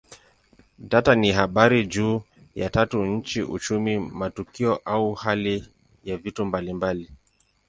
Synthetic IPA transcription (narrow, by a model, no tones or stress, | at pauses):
ɗataniɦaɓaɾid͡ʒuː | ja̰tatuɲ̩t͡ʃiʔṵt͡ʃumimatukiɔʔauhali | javitumbalimbali